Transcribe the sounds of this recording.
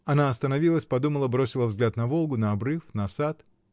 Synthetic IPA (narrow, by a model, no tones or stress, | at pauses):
ɐnaɐst̪ənɐvʲilˠəsʲpɐd̪uməlˠəbɾosʲɪlˠəvzɡlʲat̪nɐvo̞lˠɡʊnɐɐbɾɨfnɐsat̪